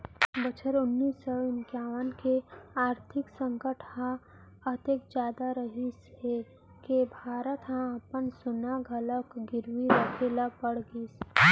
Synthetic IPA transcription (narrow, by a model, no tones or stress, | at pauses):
bət͡ʃʰəɾʊnːiːsɔʊnkjaːʋənkeaːɾt̪ʰɪksə̃ŋkəʈhã | ət̪ekd͡ʒjaːd̪aɾəɦishe | kebʱaːɾət̪ɦãəpənsʊnaɡʱələkɡɪɾwiɾəkʰelapəɽɡiːs